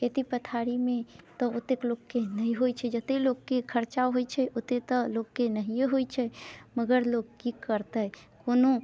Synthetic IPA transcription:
ket̪ipət̪ʰaɾimet̪ɔot̪ːekloɡkenəɦiɦojt͡ʃʰɛd͡ʒət̪eloɡkekʰəɾt͡ʃaɦojt͡ʃʰɛʔot̪et̪ɔloɡkːenəɦijeɦojt͡ʃʰɛməɡəɾloɡ̚kikəɾt̪əkono

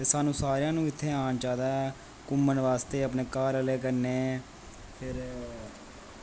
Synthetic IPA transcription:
t̪eːsaːnũːsaːɾejãːnũːɪt̪ʰːeːaːnt͡ʃaːd̪aːɛ | kʊmːənʋaːst̪eːəpneːkaːɾəleːkəɾneː | pʰɪɾ

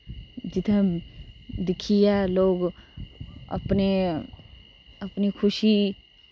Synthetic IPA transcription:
d͡ʒɪt̪ʰẽ | d̪ɪkʰijaloːɡ | ɐ̰pne | ɐpnikʰʊʃi

